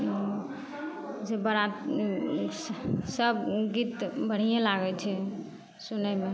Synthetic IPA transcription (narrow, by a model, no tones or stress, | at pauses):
d͡ʒebəɾat̪ | səbɡit̪bəɽ̤ijelaɡɛt͡ʃʰɛ | sunəme